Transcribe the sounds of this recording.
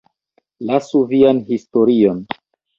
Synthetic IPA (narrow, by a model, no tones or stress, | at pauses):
lasuvianhisto̞ɾion